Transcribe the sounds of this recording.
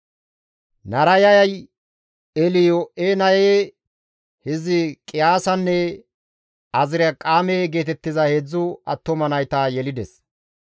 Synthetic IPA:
nɐɾɐjɐjɐj | ɛlɪjɔʔeːnɐje | hɪzɪkʼɪjaːsɐnːɛ | ɐzɪɾɐkʼaːmeːɡe̞ːt̪ɛt̪ːɪzɐheːd͡zːʊɐt̪ːɔmɐnɐjt̪ɐjɛlɪd̪ɛs

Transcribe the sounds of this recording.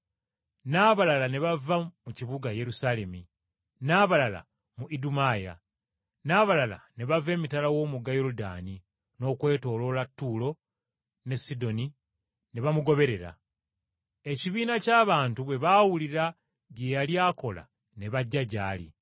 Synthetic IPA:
naβalalane̞βavːamuciβuɡaje̞ɾusale̞mi | naːβalala̰ | muʔidumaːja̰ | naːβalala̰ne̞βave̞ːmitalawo̞ːmuɡajoɾuda̰ːni | no̞ːkwe̞ːto̞ːlo̞latːulo̞ | ne̞sːido̞ni | ne̞βamuɡo̞βe̞ɾe̞ɾa̰ | e̞ciβiːnacaːβaːntuβwe̞βawuliɾa | ɡejaliaːko̞la̰ | ne̞βaɟːaɟaːlḭ

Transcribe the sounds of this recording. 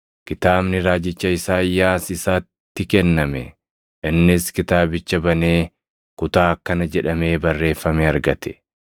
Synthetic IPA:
kɪt̪aːbnɪɾaːd͡ʒɪt͡ʃːɐɪsaːɪjːaːsɪsaːt̪ːɪkɛnːɐmɛ̰ | ʔɪnːɪskɪt̪aːbɪt͡ʃːɐbɐneː | kʊt̪aːɐkːɐnɐd͡ʒɛᶑɐme̞ːbɐrːe̞ːfːɐmɛɐɾɡɐt̪ɛ̥

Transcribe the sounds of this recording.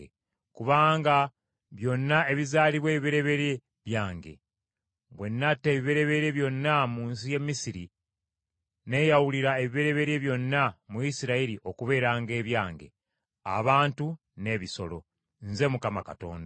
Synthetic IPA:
kuβaːŋɡa | βjo̞nːae̞βizaːliβwe̞ːβiβeɾe̞βe̞ɾe | βjaːŋɡe̞̰ | βwe̞nːatːe̞ːβiβe̞ɾe̞βe̞ɾe̞βjo̞nːamuːnsije̞mːisiɾi | ne̞jawuliɾae̞βiβeɾe̞βe̞ɾe̞βjo̞nːamuisiɾaiɾiʔo̞kuβe̞ːɾaːŋɡe̞ːβjaːŋɡe̞̰ | a̰βaːntu | ne̞βiso̞̰lo̞̰ | nze̞mukamakato̞̰ːnda

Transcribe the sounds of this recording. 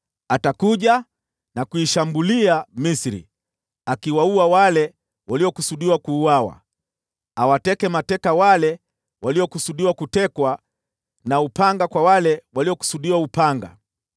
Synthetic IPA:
atakuʄa | nakuiʃambuliamisɾḭ | akiwauawalɛ | waliɔkusuɗiwakuːwawa̰ | awatɛkɛmatɛkawalɛ | wʔaliɔkusuɗiwakutɛkwa | naupaŋɡakwawalɛwaliɔku̥suɗiwaupaŋɡa̰

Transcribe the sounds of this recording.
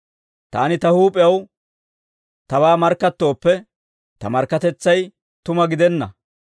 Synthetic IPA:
t̪aːnɪt̪ɐhuːpʼɪjɐw | t̪ɐbaːmɐɾkːɐt̪ːo̞ːpːɛ | t̪ɐ̰mɐɾkːɐt̪ɛt͡sːɐj | t̪ʊmɐɡɪd̪ɛnːɐ̰

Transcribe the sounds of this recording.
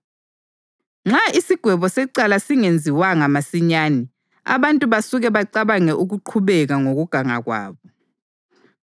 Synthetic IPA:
ŋ͡ǁaisiɡ̥ʱwɛβɔsɛǀalasiŋend͡zʱiwaŋamasiɲaːni | a̰βantʼuβasuɣɛβaǀaβaŋɛʔuɣuǃʰuβɛɣaŋoɣuɡ̥ʱaŋaɣwa̰ːβɔ

